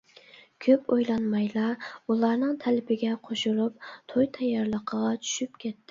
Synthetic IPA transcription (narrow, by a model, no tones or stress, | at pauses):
kʲʰøpojlˠɑnmɑjlˠɑulˠɑɾnɨŋt̪ʰælɪpɪɡʲɛqʰoʃuɾup̚t̪ʰojt̪ʰɑjːɑɾlˠəqʰəʁɑt͡ʃʰy̥ʃypkʲʰet̪ːɪ